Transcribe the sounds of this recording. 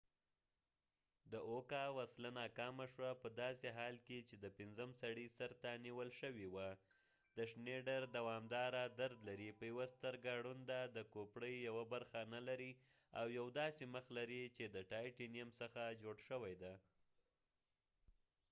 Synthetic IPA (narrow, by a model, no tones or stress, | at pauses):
d̪əʔokɑwaslanɑkɑmaʃwapəd̪ɑseɦɑlket͡ʃed̪əpɪnzəmsaɽisaɾt̪aniwəlʃəwiwad̪əʂneɖaɾd̪awɑmd̪ɑɾad̪aɾd̪laɾipəjawast̪əɾɡaɽund̪ad̪əkopɽəjːawabaɾxanalaɾi | a̰wjawd̪ɑseməxlaɾit͡ʃed̪əʈɑjʈinijamsəxad͡ʒoɽʃəwajd̪a